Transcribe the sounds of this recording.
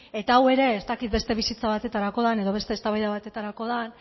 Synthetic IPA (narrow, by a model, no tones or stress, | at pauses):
e̞t̪aːwe̞ɾe̞ːst̪akit̪̚be̞st̪e̞β̞isit͡saβat̪e̞t̪aɾako̞ðane̞ðo̞β̞e̞st̪e̞ːst̪aβajðaβat̪e̞t̪aɾako̞ðan